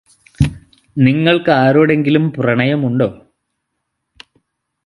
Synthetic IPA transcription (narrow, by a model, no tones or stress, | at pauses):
niŋːɐɭkɨaːɾoːɽe̞ŋɡilumprɐɳɐjɐmuɳɖo̞ː